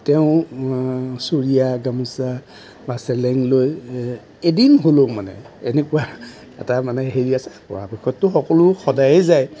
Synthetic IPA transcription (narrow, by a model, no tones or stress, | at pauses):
teʊ̃ | suɹijaɡamusa | basɛlɛŋloj | edinɦolomanɛ̰ | enekuwa | ɛ̰tamanɛɦeɹiasapɔ̰ɹa̰pɛkʰːɔtːʊxɔkɔlʊxɔdajɛzaj